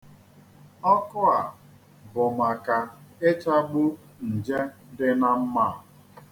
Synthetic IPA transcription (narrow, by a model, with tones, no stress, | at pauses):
ɔ˦kʊ˦a˨ | bʊ˨ma˨ka˨e˦t͡ʃa˦ɡ͡bʊ˦ | n̩˨d͡ʒe˦dɪ˦na˦m̩˦ma˦˨